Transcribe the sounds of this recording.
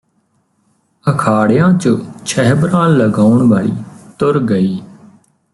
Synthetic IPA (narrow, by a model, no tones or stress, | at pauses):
əkʰaːɽjãːt͡ʃot͡ʃʰəɦbɾãːləɡaːʊɳʋaːɭḭːt̪ʊɾɡəiː